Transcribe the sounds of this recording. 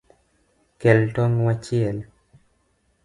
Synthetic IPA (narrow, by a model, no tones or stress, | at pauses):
kɛltɔnwat͡ʃiɛl